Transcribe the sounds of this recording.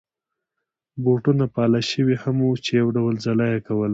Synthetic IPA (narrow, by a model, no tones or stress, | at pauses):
boʈunapɑlaʃəwihamut͡ʃejawɖawəlzalajakawəla